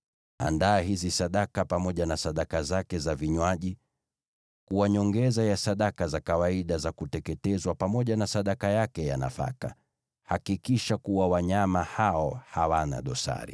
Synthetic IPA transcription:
a̰ndaːɦizisaɗakapamɔʄanasaɗakazakɛzaviɲwaʄi | kuwaɲɔŋɡɛzajasaɗakazakawaiɗazakutɛkɛtɛzwapamɔʄanasaɗakajakɛjana̰fa̰ka̰ | hakikiʃakuwawaɲamahaɔhawana̰ɗɔsa̰ɾḭ

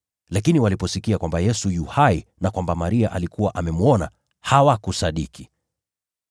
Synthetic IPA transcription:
lakiniwalipɔsikiakwambajɛsujuhainakwambamaɾiaʔalikuwaʔamɛmuɔna̰ | hawakusaɗiki̥

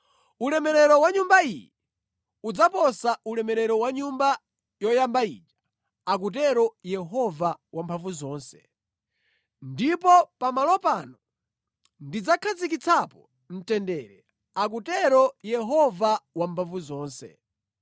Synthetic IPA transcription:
ulɛmɛɾɛɾɔwaɲumbaijɛ | ud͡zapɔsaʔulɛmɛɾɛɾɔwaɲumba | jɔjambaḭːt͡ʃḁ | ak̬ut̬ɛɾɔjɛɦɔvawampʰavuzɔːnsɛ̥ | ndipɔpamalɔpanɔ | ndid͡zakʰazik̬it͡sʰapɔ | m̩tɛndɛɾɛ | ak̬utɛɾɔjɛɦɔvawampʰaɱvuzɔːnsɛ̰

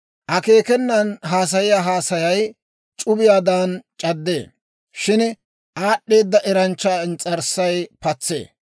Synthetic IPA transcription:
ʔɐke̞ːkɛnːɐnɦaːs̬ɐjɪjaːɦaːsɐjɐj | t͡ʃʼʊbɪjaːd̪aːnt͡ʃʼɐd̪ːe̞̰ː | ʃɪn | ʔaːɗːe̞ːd̪ːɐʔɛɾɐnt͡ʃːaːɪnt͡sʼɐɾsɐjpɐt͡sːḛː

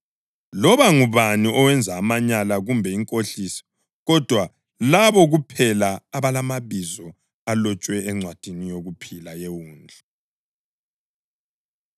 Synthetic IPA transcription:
lɔβaŋuβaniʔɔwɛnd͡zʱaːmaɲalaɣumbʱɛiŋkʼoɬisi̥ | ɣɔd̥ʱwa | laβɔɣupʰɛlaːβalamaβizɔ | alɔt͡ʃʼwɛɛŋ͡ǀwad̥ʱinijoɣupʰilajewuːnd͡ɮʱa

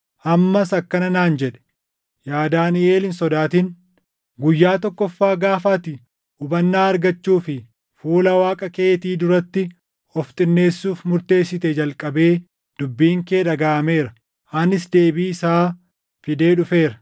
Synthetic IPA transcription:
ʔɐmːɐsɐkːɐnɐnaːnd͡ʒɛᶑɛ̥ | jaːd̪aːnɪeːlɪnsɔd̪aːt̪ɪn | ɡʊjːaːt̪ɔkːɔfːaːɡaːfaːt̪ɪ | ʊbɐnːaːɐɾɡɐt͡ʃːuːfɪ | fuːlɐwaːkʼɐke̞ːt̪iːd̪ʊɾɐt̪ːɪ | ɔft̪ʼɪnːe̞ːsːuːfmʊɾt̪e̞ːsːɪt̪ɛd͡ʒɐlkʼɐbe̞ː | d̪̥ʊbːiːŋke̞ːᶑɐɡaːɐme̞ːɾɐ | ʔɐnɪsd̪e̞ːbiːɪsaː | fɪd̪e̞ːᶑʊfe̞ːɾɐ

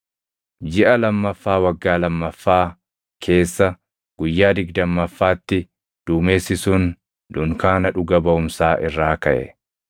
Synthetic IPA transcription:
d͡ʒɪʔɐlɐmːɐfːaːwɐɡːaːlɐmːɐfːaː | kʰe̞ːsːɐ | ɡ̥ʊjːaːd̪ɪɡd̪ɐmːɐfːaːt̪ːɪ | d̪̥uːmeːsɪsʊn | d̪̥ʊŋkaːnɐᶑʊɡɐbɐʊmsaːʔɪrːaːkɐʔɛ̰

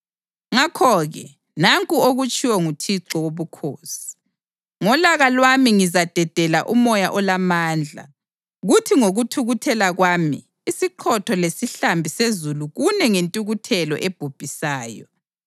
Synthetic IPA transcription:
ŋakʰɔɣɛ̰ | naŋkʼuoɣut͡ʃʼiwɔŋutʰiǀɔwoβukʰoːsi̥i̥ | ŋɔlaɣalwamiŋizad̥ʱɛd̥ʱɛla̰ʔumɔjaʔɔlamaːnd͡ɮʱa̰ | ɣutʰiŋoɣutʰuɣutʰɛlaɣwaːmḭː | siǃʰɔtʰɔlesiɬambʱisezuluɣunɛŋentʼuɣutʰɛlɔ̰ʔeb̥ʱub̥ʱisaːjɔ

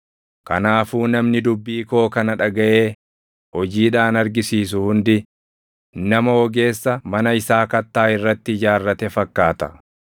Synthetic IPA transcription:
kɐ̰naːfuːnɐmnɪd̪ʊbːiːko̞ːkɐnɐᶑɐɡɐʔeː | hɔd͡ʒiːᶑaːnɐɾɡɪsiːs̬ʊhʊnd̪ɪ | nɐmɐwɔɡe̞ːsːɐmɐnɐɪsaːkɐt̪ːaːɪrːɐt̪ːɪd͡ʒaːrːɐt̪ɛfɐkːaːt̪ɐ̥

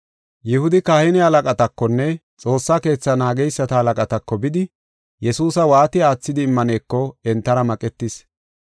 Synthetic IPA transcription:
jɪhʊd̪ɪkaːhɪnɛɐlɐkʼɐt̪ɐkːɔnːɛ | t͡sʼo̞ːsːake̞ːt͡sːɐnaːɡɛjsːɐt̪ɐɐlɐkʼɐt̪ɐkːɔbɪd̪ɪ | jɛsuːsɐwaːt̪ɪaːt͡sːɪd̪ɪːmːɐneːkːɔɛnt̪ːɐɾɐmɐkʼɛt̪ːɪs

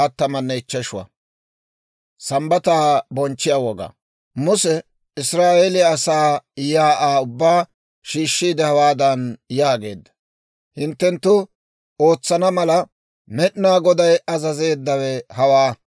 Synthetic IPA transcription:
ɐt̪ːɐmɐnːɛɪt͡ʃːɐʃʊwɐ̰ | sɐmbɐt̪aːbɔnt͡ʃːɪjawɔɡa̰ː | mʊsɛ | ɪsɾaːʔelɪːsaːjaːʔaːʊbːaː | ʃiːʃːiːd̪ɛhɐwaːd̪ɐnjaːɡe̞̰ːd̪ːɐ̥ | hɪnt̪ːɛnt̪ːʊ | o̞ːt͡sːɐnɐmɐlɐ | mɛɗnaːɡɔd̪ɐjɐzɐze̞ːd̪ːɐwɛhɐwaː

